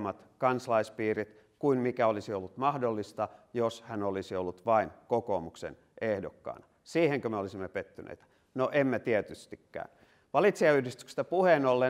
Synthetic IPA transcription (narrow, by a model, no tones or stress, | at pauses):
mɑt̪kɑnslɑispiːrit̪ | kuinmikæolisiolːut̪mɑhdolːist̪ɑjoshænolisiolːut̪ʋɑinkoko̰ːmuksḛn | ʔehdo̰kːɑ̰ːnɑ | siːheŋkømeolisimːepet̪ːynḛit̪æ̥ | noʔemːet̪iet̪yst̪ikːæ̰ːn | ʋɑlit̪siɑyhdist̪y̥kse̥st̪æpuhenolːe